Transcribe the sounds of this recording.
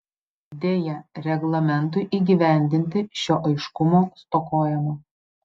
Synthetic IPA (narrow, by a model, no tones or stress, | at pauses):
d̪ʲeːjɛɾʲɛɡlˠɐmʲɛnt̪̬ʊɪʔiːɡʲiʋʲæˑnʲd̪ʲɪnʲt̪ʲɪʃʲoːʔɐɪʃkʊmoːst̪oːkoːjɛmo